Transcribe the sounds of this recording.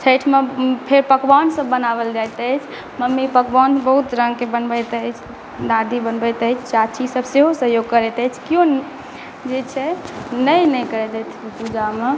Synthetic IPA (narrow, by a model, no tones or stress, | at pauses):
t͡ʃʰəʈʰmepʰeɾpəkbansə̃ːənabəld͡ʒajt̪əjt͡ʃʰ | məmːipəkbɔnbəɦut̪ɾəŋɡkebənbət̪əjt͡ʃʰ | d̪aɾd̪ʱibənbət̪əjt͡ʃʰt͡ʃat͡ʃʰisəbseɦosəɦjoɡ̚kəɾɛt̪ət͡ʃʰkijõ | d͡ʒet͡ʃʰɛnəjnəjkəɾɛt̪ɛt̪ʰpud͡ʒame